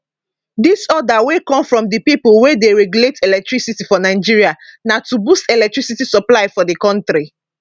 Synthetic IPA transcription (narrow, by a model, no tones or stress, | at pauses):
disɔdawekɔ̃mfɹɔ̃mdəpipolwedeɹɛɡjuletelɛk̚tɹisitifɔnaɪd͡ʒiɹianatubustɛlɛk̚tɹisitisɔplaɪfɔdəkɔ̃ntɾi